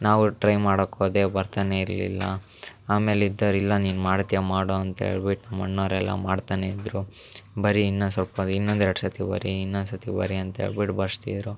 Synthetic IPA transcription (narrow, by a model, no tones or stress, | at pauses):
naːʋuʈɾɐjmaːɽokoːd̪e̞ːbɐɾt̪aːne̞iɾlḭlːɐ̰ | aːme̞ːlid̪ːɐɾilːɐniːnmaːɽt̪ijamaːɽoɐnt̪ɐɦḛːɭbiʈnɐmːɐɳːɐːɾɛlːɐ̰maːɖt̪aːne̞id̪ɾu | bɐɾiːnːɐsɐlpɐd̪inːond̪eɽsɐt̪ibɐ̰ɾiinːonsɐt̪ibɐ̰ɾiɐnt̪ɐɦḛːɭbiʈbɐɾst̪ḭd̪ɾu